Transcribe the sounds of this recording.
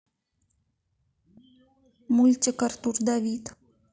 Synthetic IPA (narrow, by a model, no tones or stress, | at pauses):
mulʲt̪ʲikart̪urd̪avʲit̪